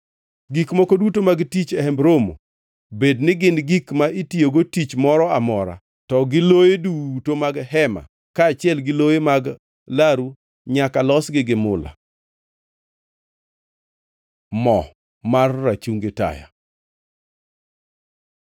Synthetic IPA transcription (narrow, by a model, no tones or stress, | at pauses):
ɡikmɔkodutomaɡtit͡ʃɛhɛmbɾomo̰ | bednɪɡɪnɡikmaitioɡotit͡ʃmɔɾɔamɔɾa̰ | tɔɡɪlojedutomaɡɦɛma̰ | kaːt͡ʃɪɛlɡɪlojemaɡ | laɾu | ɲakalɔsɡɪɡɪmʊla̰ | mɔ | marːat͡ʃuŋɡeta̰ja̰